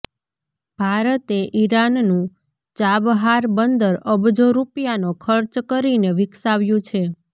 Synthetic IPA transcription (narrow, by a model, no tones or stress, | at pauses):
b̥ʱaɾət̪eʔiɾannũ | t͡ʃabɦaɾbənd̪əɾəbd͡ʒoɾupjanokʰəɾt͡ʃkəɾineʋɪksaʋjũt͡ʃʰe